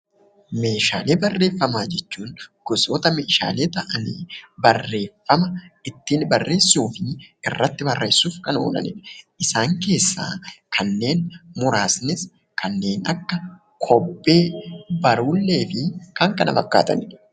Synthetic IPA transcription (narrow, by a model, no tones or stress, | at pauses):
me̞ːʃa̰ːle̞ːbɐrːe̞ːfːɐmaːd͡ʒɛt͡ʃːuːnɡ̥ɔsoːt̪ɐmeːʃa̰ːle̞ːt̪ɐʔɐniːbɐrːe̞ːfːɐmɐɪt̪ːiːnbɐrːe̞ːsːuːfɪɪrːɐt̪ːɪbɐrːe̞̰ːsːuːfkɐno̰ːnɐ̰nɪᶑʔɪsaːŋke̞ːsːa̰ːkʰɐnːe̞ːnmʊɾaːsnɪs | kʰɐnːe̞ːnɐkːɐ | kʰɔbːe̞ːbɐɾuːlːe̞ːfɪkɐŋkɐnɐ̰fɐkːa̰ːt̪ɐ̰nɪ